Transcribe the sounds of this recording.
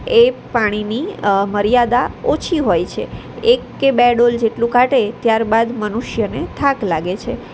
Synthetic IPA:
epaɽ̃iniməɾijad̪aot͡ʃʰiɦojt͡ʃʰḛ | ekːebeɖold͡ʒeʈlũkaʈet̪jaɾbad̪mənuʃjənet̪ʰaklaɡet͡ʃʰe

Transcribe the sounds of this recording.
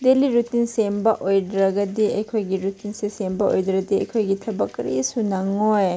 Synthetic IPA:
deliɾutinsembɐʔojdɾɐɡɐdiɐjkʰojɡiɾutinsesembɐo̰jdɾɐdiɐ̰jkʰojɡitʰɐbɐkːɾḭsunɐŋoj

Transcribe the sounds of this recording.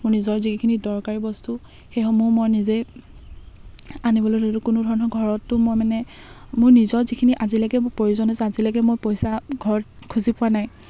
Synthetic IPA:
mʊɹnizɔɹzikʰinidɔɹkaɹibɔstu | xejxɔmʊmojnize | anibɔlojdeɾʊkʊnʊdʱɔɹɔnɔɡʱɔɹɔtːʊmojmanɛ | mʊɹnizɔɹzikʰiniʔazilaɡɛpoɹuzɔnɔzazilaɡɛmojpɔjsaɡʱɔɹɔt̚kʰuzipʊwanaj

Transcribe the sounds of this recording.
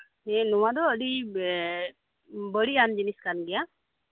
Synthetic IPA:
nɛnuwad̪ɔəɖi | bəɽiand͡ʒiniskanɡɛja

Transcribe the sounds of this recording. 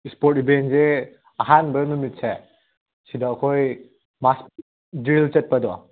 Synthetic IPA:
ispoɾtbenze | ɐɦanbɐɾnumit̚se | sidakʰoj | mas | dɾilt͡ʃɐt̚pɐdɔ

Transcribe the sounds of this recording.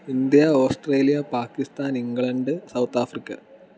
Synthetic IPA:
ind̪jɐoːsʈre̞ːlijɐpaːkːist̪aːniŋɡɭɐɳɖɨsɐwt̪aːfrikʲːɐ̰

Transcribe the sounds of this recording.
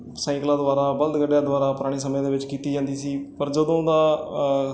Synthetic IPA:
sãːklaːd̪ʋaːɾaːbəld̪ɡəɖjãːd̪ʊʋaːɾaːpʊɾaːɽ̃iːsəmjãːd̪eːʋɪt͡ʃkiːt̪iːd͡ʒãːnd̪iːsiːpəɾd͡ʒəd̪õːd̪aː

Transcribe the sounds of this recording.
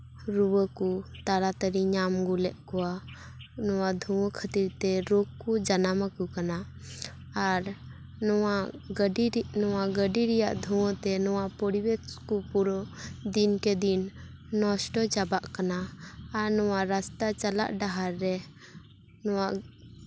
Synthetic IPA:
ɾuwəkut̪aɾat̪əɾiɲamɡulɛʔkɔwa | nɔwad̪ʱuwɔ̃kʰət̪iɾt̪ɛɾoɡ̚kud͡ʒanamakukana | aɾ | nɔwaɖinɔwaɡəɖiɾɛja̰ʔd̪ʱuwɔ̃t̪ɛnɔwaʔpɔɽibɛt͡ʃkupuɾɔd̪inkɛd̪inː | ɔsʈɔt͡ʃabaʔkanaːɾnɔwaɾast̪at͡ʃala̰ʔɖaɦaɾːɛ | nɔwaʔ

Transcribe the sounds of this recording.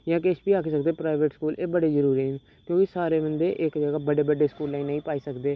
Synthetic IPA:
jãːkeːʃbiːaːkiːsəkd̪eːpɾaːɪʋeʈskuːlʔeːbəɽeːzəɾuːɾiːɦən | kjõːkɪsaːɾeːbənd̪eːʔɪkd͡ʒəɡaːbəɽeːbəɖeːskuːlːãĩːnəĩːpaːiːsəkd̪eː

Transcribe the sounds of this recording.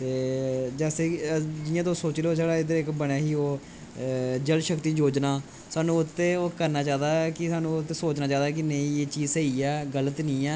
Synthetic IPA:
t̪eːd͡ʒɛːseːd͡ʒɪãːt̪̬õːsoːt͡ʃːloːseːɽaːɪd̪əɾɪkbəɽaːɦiːoː | d͡ʒəlʃəkt̪iːd͡ʒoːd͡ʒnaː | saːnũːʊt̪ːẽːoːkəɾnaːt͡ʃaːd̪aːkɪsaːnũːʊt̪ːeːsoːt͡ʃnaːt͡ʃaːd̪aːk̬ɪnəĩːeːt͡ʃiːzeːiːɛːɡələt̪nĩːɛː

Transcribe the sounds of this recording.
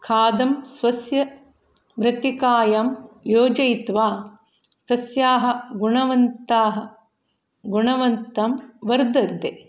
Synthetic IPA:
kʰaːd̪ɐmsʋɐsjɐ | ʋɾɐt̪ikaːjamjoːd͡ʒɐjt̪ʋaː | t̪ɐsjaːɦɐ̆ɡuɳɐʋɐnt̪aːɦɐ̆ | ɡuɳɐʋɐnt̪ɐmʋɐɾd̪ɐd̪ːeː

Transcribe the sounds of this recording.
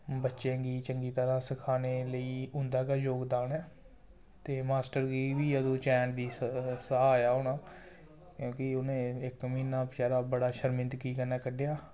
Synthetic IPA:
bətːʃẽːɡiːt͡ʃəŋɡiːt̪əɾãːsəkʰaːneːləiːʊ̃nd̪aːkaːd͡ʒoːɡd̪aːnɛː | t̪eːmaːsʈəɾɡiːʋiːəd̪õːt͡ʃɛ̃ːɳʈd̪iːsəɦaːjaːoːnaː | kjõːkɪʊnẽːɪkmiːnãːpt͡ʃaːɾaːbəɽaːʃəɾmɪ̃nt̪kiːkənaːkəɖejaː

